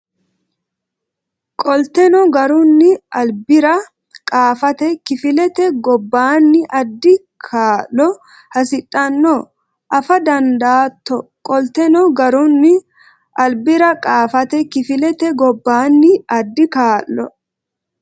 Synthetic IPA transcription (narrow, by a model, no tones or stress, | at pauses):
kʼɔlt̪ɛnɔɡɐɾʊnːɪɐlbɪɾɐ | kʼaːfɐt̪ɛkɪfɪlɛt̪ɛɡɔbːaːnːɪʔɐd̪ːɪ | kʰaːlːɔ | hɐs̬ɪtʼːɐnːɔ | ʔɐfɐd̪ɐnd̪aːt̪ːɔkʼɔlt̪ɛnɔɡɐɾʊnːɪ | ʔɐlbɪɾɐkʼaːfɐt̪ɛkɪfɪlɛt̪ɛɡɔbːaːnːɪɐd̪ːɪkaːʔːɔ̰